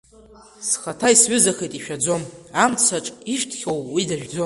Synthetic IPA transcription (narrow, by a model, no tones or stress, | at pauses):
sχatʰaisɥʏzaxejtʼiʃᶣad͡zo̞mamt͡sʰaʈ͡ʂʼiʃtʰχʲowwidaʒᶣd͡zo̞